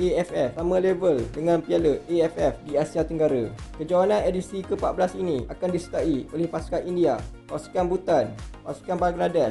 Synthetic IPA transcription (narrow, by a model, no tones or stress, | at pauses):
ʔeɛfɛfamãlevəldəŋãnpialəeɛfɛfdiasiat̪əŋɡaɾakəd͡ʒawanãnedisikəpaʔ̚bəlasinĩakandisə̥t̪aʔiolɛhpaskaindiapasu̥kanbut̪anpa̰su̥kanbaɡnada